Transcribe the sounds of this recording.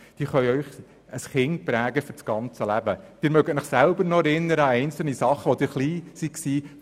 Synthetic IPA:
d̥iːχœʏœʏχ | ʔəsχɪnt̚pɾæːɡəfʏɾt͡sɡ̥ɑnt͡səlæbəd̥ɪɾmœɡətnɪχsælbəɾnɔæɾɪnːəɾəɑɛɪnt͡sl̩nisɑχəʋɔd̪ɪɾχliːsiksiː

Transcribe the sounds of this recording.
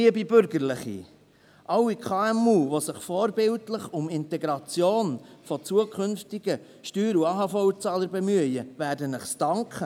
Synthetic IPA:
iəbibʏɾɡəɾlɪχḭ | ʔɑwːikʰɑːɛmuːvosɪχfɔːɾbɪltləχʊmɪntɛɡɾɑt͡sjoːnfɔt͡suəkχʏnftɪɡ̥ə | ʃtyːɾuɑːɦɑfɔwt͡sɑːləɾbɛmyəjəvæɾdənəχstɑŋkʰχə

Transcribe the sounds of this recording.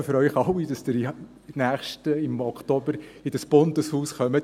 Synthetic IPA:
fʏɾœjχɑwid̥ɑsd̥ɪɾ | næːχʃtəɪmɔkχtobəɾɪd̥əsb̥ʊndəshuːsχœmət

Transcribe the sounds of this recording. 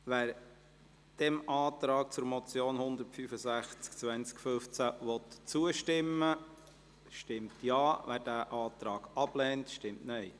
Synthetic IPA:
ʋæːɾ | d̥ɛmʔɑːt̪ɾɑːk̚t͡sʊɾmɔt͡sjoːnhʊnd̪əɾtfyfəsæχt͡sk̚t͡sʋænt͡skføft͡sæʋɔt̪t͡suəʃtɪmːə | ʃtɪmtjɑːʋæːɾdæːʔɑːt̪ɾɑːɡ̥ɑb̥lɛːntʃtɪmtnœj

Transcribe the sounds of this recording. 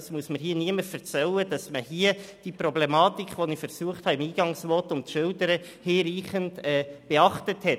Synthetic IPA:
smuəsməɾɦiəniəməɾfɛɾt͡sɛlːədɑsməhiəd̥ipɾɔblɛmɑːtikχʋɔnifəɾsuəχthɑɪmiːɡ̥ɑŋsmɔːtʊmtʃʏltəɾə | heːɾiːχəndɛb̥eɑχtəthɛt

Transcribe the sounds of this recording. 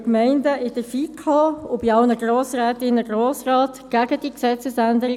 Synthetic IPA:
kmɛɪndəʔɪd̥əfikʰoʊbɪɑlnəɡɾoːsɾɛːt̪ɪnəɡɾoːsrɑːtɡ̥æɡ̥əd̥iksɛt͡səsænd̪əɪ

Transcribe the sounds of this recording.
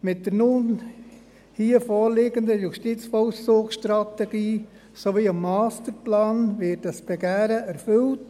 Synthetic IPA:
mɪt̚dəɾnʊn | hiːəfoːɾlɪɡəndəjuʃtit͡sfɔlsoːkʃtɾɑtɛɡiː | soʋiːɑmːɑːstəɾplɑːnvɪtdɑsb̥ɛɡæːɾəæɾfʏlt

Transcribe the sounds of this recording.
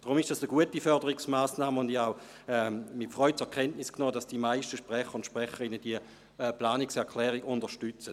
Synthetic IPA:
d̥ʁʊmɪʃd̥asəɡuətifœɐdəʁɪksmaːsnaːməʊndiaʊ | ɛmɪtfʁɔʏt͡sɛɐkʰɛntnɪsknɔːdasd̥imaɪʃtəʃpʁɛχəʁʊnʃpʁɛχəʁɪnəd̥iə | plaːniksɛɐkʰlɛːʁiɡʊndəʃtʏt͡sət

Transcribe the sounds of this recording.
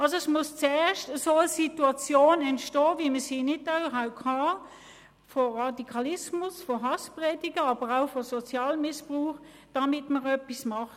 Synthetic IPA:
ʔɑlsoɛsmʊst͡sɛːɐʃtəsoəsituɑt͡sjoːnɛntʃtɔːviməsiːnɪdabəʁɦaʊp̚khɑː | fɔʁɑdikʰɑlɪsmʊsfɔɦɑspʁɛːdɪɡəɑb̥əʁaʊfɔsɔt͡sjɑːlmɪspʁuːχ | d̥ɑmɪtməʁœpːismɑχ

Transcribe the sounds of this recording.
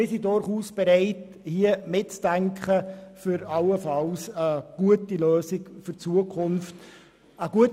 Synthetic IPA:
ɪsidʊɾχuːsb̥ɛɾɛɪt | hiəmɪtt͡sd̥æŋkχəfʏɾɑwəfɑlsəɡ̥uətiløːsɪɡfʏɾt͡suəkʰχʊnft | əɡuət

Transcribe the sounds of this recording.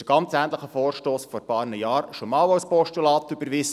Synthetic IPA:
əɡ̥ɑnt͡sæːnt̪ləχəfoːɾʃtoːsfɔɾbɑːrnəjɑːɾʃomɑːlawspɔʃtulɑːt̪ʏbəɾʋis

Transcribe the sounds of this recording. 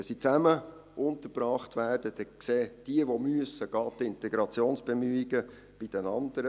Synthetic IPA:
sit͡sæmə | ʔʊnt̪əɾb̥ɾɑːχtʋæːrd̥əd̥̪ɛkseːd̥iəʋomyəsəɡ̥ɑːt̪ːɪntɛɡɾɑt͡sjoːnsb̥emyiɡə | b̥id̥ənɑnd̪əɾə

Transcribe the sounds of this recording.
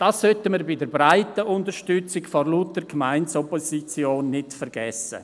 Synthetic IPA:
d̥aːsːœtəmiɾbɪdəɾbɾaɪtəʔʊntəɾʃtʏt͡sɪkfɔrlutəɾkmaɪntsɔposit͡sjoːnːɪtfəɾɡɛsə̰

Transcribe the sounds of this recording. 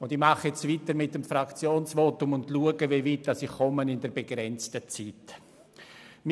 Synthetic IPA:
ʊndɪmɑχəɛt͡stviːtəɾmɪt̚ːəmfrakt͡sjoːnsvoːtʊmʊndluəɡəveːviːt̚dɑsɪχkɔmənɪndɛɾbeɡɾɛnt͡stət͡siːt | m

